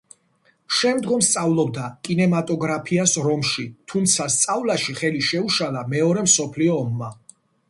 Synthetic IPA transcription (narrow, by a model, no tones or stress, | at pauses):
ʃɛmd̪ɡɔmst̪sʼavlˠɔbd̪akʼinɛmat̪ʼɔɡɾapʰiasɾɔmʃit̪ʰumt̪sʰast̪sʼavlˠaʃiχɛliʃɛuʃalamɛɔɾɛmsɔpʰliɔːmːa